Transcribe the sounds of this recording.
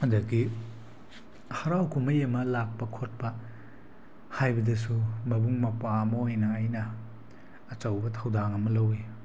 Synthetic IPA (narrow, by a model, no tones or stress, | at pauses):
ɐdɐɡi | hɐɾawkʰumɐjɐmɐlak̚pɐkʰot̚pɐ | hajbɐdɐs̬umɐbuŋmɐpamɐojnɐːjnɐː | t͡ʃɐwbɐtʰawdaŋɐmɐlɐwi